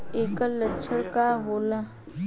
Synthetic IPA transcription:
eːkalət͡ʃʰəɽkaɦoːla

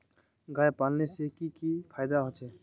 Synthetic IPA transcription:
ɡaːjpalnesekikipʰajd̪aɦot͡ʃʰɛ

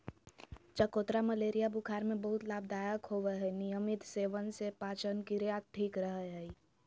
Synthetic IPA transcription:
t͡ʃəkoːt̪ɾaməleːɾijabukʰaːɾmẽbəɦʊt̪laːb̚d̪aːjəkɦoʋeɦɛnijəmɪt̪seːʋənsepaːt͡ʃənkiɾjat̪t̪ʰiːkɾəɦɛɦɛi

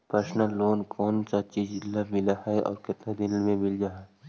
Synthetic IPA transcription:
pɾɐsnəlːoːnkʰɔːnsat͡ʃid͡ʒlːamɪlaɦɛɔ̰ːɾkɪt̪nad̪ɪnmẽmɪld͡ʒaɦɛ

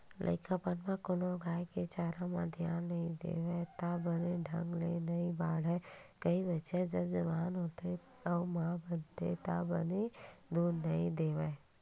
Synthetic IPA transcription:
lʔə̰ɪkapanmãkoːnoɡʱaːjket͡ʃaːɾãmad̪ʱjaːnːɐĩd̪ḛːʋɛt̪abəneɖʱɐ̰̃ŋɡlḛnɐĩbaːɽɦɛkɐibɐʃɛd͡ʒɐbd͡ʒɐʋaːnɦoːt̪e | ɔːmãbənt̪ḛt̪abəned̪uːɾnɐɦĩd̪eːʋe

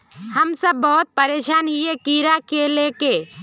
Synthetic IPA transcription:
hɐmsəbːɔɦʊt̪̚pɐɾeːʃaːnɦiekiːɾakeleːke

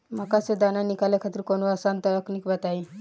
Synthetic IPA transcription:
məkased̪ananikaljakʰat̪iɾkonuəsant̪əəknikbət̪ai

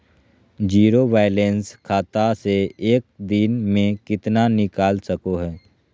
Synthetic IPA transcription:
d͡ʒiːɾoʋaːɪlenskʰaːt̪aseeːk̚d̪ɪnmẽkɪt̪nanɪkaːlsəkoɦɛː

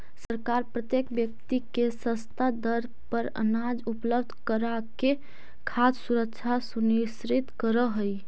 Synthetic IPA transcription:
səɾkaɾpɾət̪jekbjək̚t̪ikesə̃st̪ʰad̪əɾ | pəɾə̰nad͡ʒupləbd̪ʱkəɾa | ke | kʰassuɾəkt͡ʃʰasunisɾit̪kəɾəɦəj

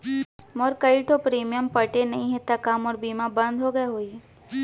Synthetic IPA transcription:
mɔːɾkɐiʈʰopɾiːmijəmpɐʈenɐɦĩɦet̪akaːmɔːɾbiːmabɐ̃nd̪ʱɦoɡɐeɦoːi

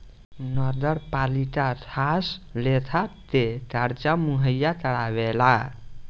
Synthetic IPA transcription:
nɔd̪əɾpaliʈat̪ʰaslet̪ʰat̪eʈaɾt͡ʃamuɦəjat̪əɽabela

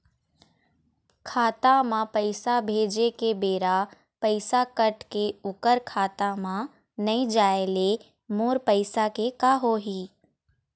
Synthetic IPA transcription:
kʰaːt̪amãpəɪsabʱeːd͡ʒekebeːɾa | pəɪsakəʈkeʊkəɾkʰaːt̪amã | nɐĩd͡ʒaːele | moːɾpəɪsakekaːɦoɦiː

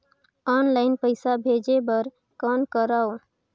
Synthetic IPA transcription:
aːnlaːɪnpəɪsabʱeːd͡ʒebəɾ | kəːnkəɾaːo

